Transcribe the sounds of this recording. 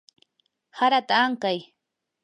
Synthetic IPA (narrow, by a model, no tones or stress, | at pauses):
haɾat̪aːŋkaj